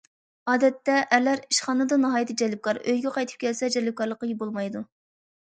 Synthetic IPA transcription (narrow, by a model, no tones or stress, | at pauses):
ɑːd̪ɛt̪ːɛʔːlæɾiʃχɑːnɨd̪ɨnɨɦɑːjɨt̪ʰɨd͡ʒɛlːɪp̚kʰɑɾøjɡʲɛqʰɑjt̪ʰɨ̥p̚kʲɛlsɛd͡ʒɛlɪp̚kʰɑɾlˠəqːɑjibolˠmɑjd̪u